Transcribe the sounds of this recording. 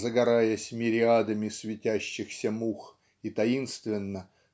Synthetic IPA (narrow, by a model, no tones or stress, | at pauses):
zəɡɐɾajəsʲmʲɪɾʲɪad̪əmʲɪsvʲɪtʲæɕːɪxsʲəmux | it̪ɐinst̪vʲɪnːə